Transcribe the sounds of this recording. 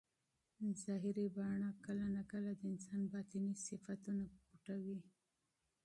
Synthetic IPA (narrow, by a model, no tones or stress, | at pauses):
zɑɦɪɾibɑɳɑkəlanakəlad̪əɪnsɑnbɑt̪inisɪfat̪unakuʈawi